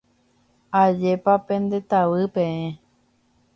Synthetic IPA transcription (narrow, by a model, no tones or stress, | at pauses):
ad͡ʒepapẽ̞nd̪e̞t̪aʋɨpẽẽ